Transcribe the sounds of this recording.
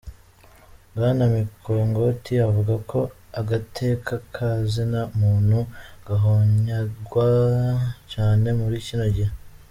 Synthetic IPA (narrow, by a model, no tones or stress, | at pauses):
ɡaːnamikʰoŋɡo̞tʰiavuɡakʰo̞ | aɡatʰe̞ːkʰakʰazinamuːn̥huɡaɦoɲaɡwa | caːne̞muɾicinoɟihe